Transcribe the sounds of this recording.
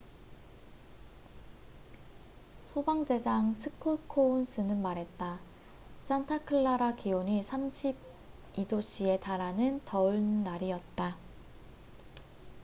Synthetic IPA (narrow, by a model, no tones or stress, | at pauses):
sʰobaŋd͡ʑe̞d͡ʑaŋsʰɯkʰoɭkʰouns͈ʰɯnɯnmaɾɦe̞t̚t͈a | s͈antʰakʰɯɭːaɾakioɲisʰamɕʰib̚ | idoɕ͈ʰie̞taɾanɯntʌuɭnaɾiʌt̚t͈a